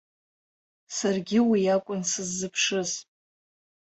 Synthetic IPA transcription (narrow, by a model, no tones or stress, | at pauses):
sarɡʲɪwiakʷʼʊnsɨzːɨpʰʂɨz